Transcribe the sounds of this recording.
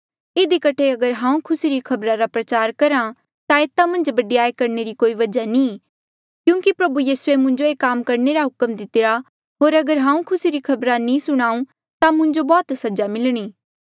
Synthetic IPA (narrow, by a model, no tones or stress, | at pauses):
ɪd̪ikɐʈʰeɐɡəɾɦãːũkʰʊsiɾikʰɐbɾaɾapɾɐt͡ʃaːɾkɐɾã | t̪ãeːt̪amɐ̃nd͡ʒbɐɖijaːekɐɾneɾikoːiʋɐd͡ʒanĩː | kjũːkipɾɐbujiːsuemʊ̃ɲd͡ʒoeːkaːmkɐɾneɾaɦʊkmd̪ɪt̪ɪɾa | ɦoːɾɐɡəɾɦãːũkʰʊsiɾikʰɐbɾanĩsʊɽ̃aːũ | t̪amʊ̃ɲd͡ʒobɔːt̪sɐd͡ʒamɪlɽ̃iː